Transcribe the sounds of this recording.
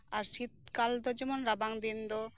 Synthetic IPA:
aɾʃit̪̚kald̪od͡ʑɛmonɾabaŋd̪ind̪o

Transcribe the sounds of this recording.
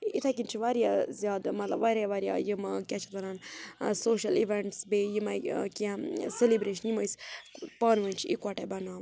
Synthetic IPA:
it̪ʰak̬int͡ʃʰiʋaɾjazijaːd̪mɐt̪lɐbʋaɾaʋaɾʲja̰ːjimakʲat͡ʃʰikt̪ɐɾaːnsoːʃɐliʋeɳʈsbejimakʲiãselibɾeːʃɐnjimɐjspaːnʋənʲt͡ʃʰiḭkwaʈebɐnaː

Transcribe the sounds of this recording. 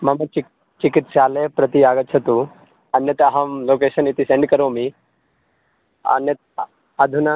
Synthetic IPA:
mɐmɐt͡ʃ | t͡ʃɪkɪt̪ʃaːlepɾɐt̪iaːɡət̪̚t͡ʃʰɐt̪ũ | ɐnjɐt̪aɦɐmloːkeːʃɐnit̪isẽɳɖkɐɾoːmi | ɐ̰njɐt̪ | ad̪ʱuna

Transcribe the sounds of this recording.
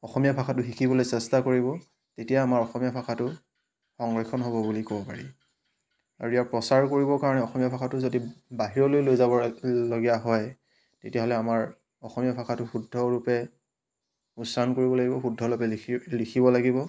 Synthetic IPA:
ɔxɔmijapʰaxʰatʊɦikʰibɔlojsɛstakoɹibɔ | tetijaːmaɹɔxɔmijapʰakʰatʊ | xɔŋɹɔxʰɔnɦobɔbulikɔbɔpa̰ɹi | a̰ɹuijaɹpɹɔsaɹkoɹibɔkaɹɔnɛɔxɔmijapʰakʰatʊzodibaɦiɹɔlojlojzabɔloɡijaɦɔj | tetijaɦɔlɛamaɹ | ɔxɔmijapʰaxʰatʊxudʱɔɹupɛ | usankoɹibɔlaɡibɔxudʱːɔlupɛlikʰibɔlaɡibɔ

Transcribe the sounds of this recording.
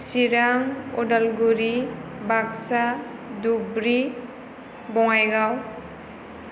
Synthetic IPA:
siɾaŋoɖʌlɡuɾibaksa | d̪ubɾi | bɔwajɡaw

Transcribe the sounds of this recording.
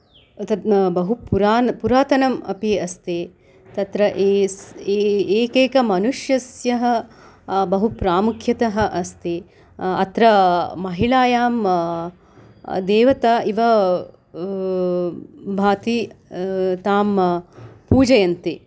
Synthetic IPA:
t̪ɐt̪bɐɦupuɾaːnpuɾaːt̪ɐnɐmɐ̰piɐst̪eː | t̪ɐt̪ɾɐʔseeːkeːkɐmɐnuʂjɐsjɐɦɐ | bɐɦupɾaːmukʰjɐt̪ɐɦɐ̆ʔɐst̪e | ɐt̪ɾɐmɐɦiɭaːjaːm | d̪eːʋɐt̪aʔiʋɐ | bʱaːt̪i | t̪aːm | puːd͡ʒɐjɐnt̪i

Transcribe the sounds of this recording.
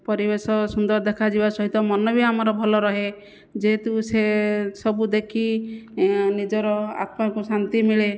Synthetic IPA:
pɔɾibesɔsund̪ɔɾd̪ekʰad͡ʒibasɔɦit̪ɔmɔnɔbʱiamɔɾɔbʱɔlɔɾɔɦe | d͡ʒeɦet̪usesɔbud̪ekʰi | nid͡ʒɔɾɔa̰t̪makusant̪imiɭe

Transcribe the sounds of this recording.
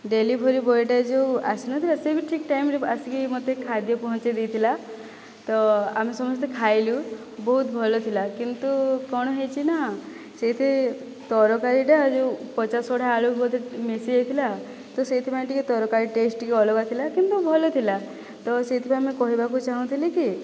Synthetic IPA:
ɖelibʱɔɾibɔjʈad͡ʒewa̰sinɔt̪ʰilasebiʈʰikʈajmɾeasikimot̪ekʰad̪jɔpɔɦɔ̃t͡ʃed̪ejt̪ʰila | t̪ɔa̰mesɔmɔst̪ekʰajlu | bɔɦut̪bʱɔlɔt̪ʰilakint̪ukɔɽ̃ɔɦejt͡ʃʰina | set̪ʰe | t̪ɔɾɔkaɾiʈad͡ʒewpɔt͡ʃasɔʈʰaːɭukʰbɔt̪emesiɦejt̪ʰila | t̪ɔset̪ʰipaĩʈikit̪ɔɾɔkaɾiʈesʈikeɔlɔɡat̪ʰilakint̪ubʱɔlot̪ʰila | t̪ɔset̪ʰipaj̃mẽkɔɦibakut͡ʃaɦũt̪ʰiliki

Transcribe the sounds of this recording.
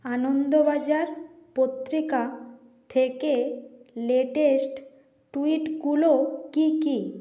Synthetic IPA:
anond̪obad͡ʑaɾpot̪ːɾika | t̪ʰekeleʈesʈ | ʈuiʈɡulokiki

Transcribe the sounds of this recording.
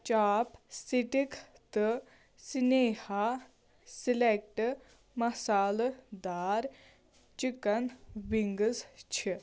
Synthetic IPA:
t͡ʃaːpsiʈik | t̪ɨ | sineha | silek̚ʈ | mɐsaːld̪aɾ | t͡ʃikɐnʋiŋɡəst͡ʃʰi

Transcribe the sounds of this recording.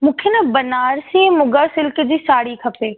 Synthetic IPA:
mʊkʰenɐbɐnaːɾsĩmʊɡəɾsɪlkd͡ʑiːsaːɽikʰɐpeː

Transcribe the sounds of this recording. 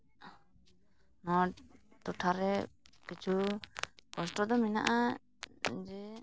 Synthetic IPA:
nɔʈɔʈʰaɾɛkit͡ʃʰu | kɔsʈɔd̪ɔmina̰ʔa | d͡ʒɛ

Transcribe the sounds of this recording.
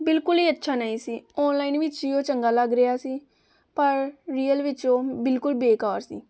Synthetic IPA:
bɪlkʊliːətːʃʰaːnaːĩːsiːɔːnlaːinʋɪt͡ʃd͡ʒiːõːt͡ʃəŋɡaːləɡɾɪjaːsiː | pəɾɾiːəlʋɪt͡ʃõːbɪlkʊlbeːkaːɾsḭː

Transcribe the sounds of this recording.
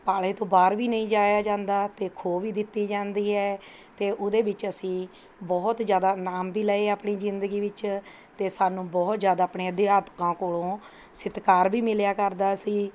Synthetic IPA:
paːleːt̪õːbaːɾʋiːnəĩːd͡ʒaːjaːd͡ʒãːnd̪aːt̪eːkʰoːʋiːd̪ɪt̪ːiːd͡ʒãːnd̪iːɦɛː | t̪eːʔʊd̪eːbɪt͡ʃəsĩː | bɔːt̪d͡ʒjaːd̪aːnaːmbiːləeːaːpɳiːzɪnd̪əɡiːʋɪt͡ʃ | t̪eːsaːnũːbɔːt̪d͡ʒjaːd̪aːpɳeːəd̪ɪaːpkãːkoːlõː | sɪt̪kaːɾbiːmɪljaːkəɾd̪aːsiː

